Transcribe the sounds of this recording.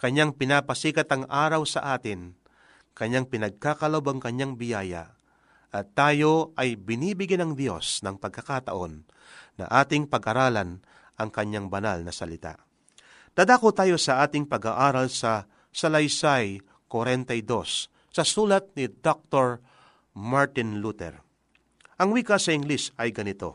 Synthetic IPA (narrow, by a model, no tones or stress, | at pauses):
kɐɲːaŋpɪnapɐsiːkɐt̪ɐŋʔaːɾɐwsɐʔaːt̪ɪŋ | kɐɲːaŋpɪnɐɡ̚kakɐlɐbɐŋkɐɲːaŋbɪjaːja̰ | ʔɐt̪ːaːjo̞ʔɐjbɪniːbɪɡjɛnɐŋd̪jo̞snɐŋpɐɡ̚kːɐkat̪ɐʔo̞nː | ɐ̰ʔaːt̪ɪŋpɐɡʔɐɾaːlɐn | ʔɐŋkɐɲːaŋbɐna̰lnɐsɐlɪt̪a̰ | d̪̥aːd̪akot̪aːjo̞sɐʔaːt̪ɪŋpɐɡaʔaːɾɐlsɐ | sɐlɐjsaj | kwɐɾɛnt̪ɐjd̪o̞sː | ɐsuːlɐt̪̚nɪd̪ok̚t̪oɹ | maɹt̪ɪnlut̪ɛ̰ɹ | ʔɐŋwikasɐɪŋlɪsɐjɡɐnɪt̪o̞̰